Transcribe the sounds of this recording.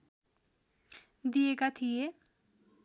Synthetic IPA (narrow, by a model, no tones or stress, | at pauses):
d̪ieɡat̪ʰije